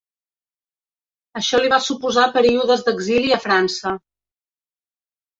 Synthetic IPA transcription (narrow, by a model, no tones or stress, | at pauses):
əʃɔliβasupuzapəɾiuðəzðəɡziliəfɾansə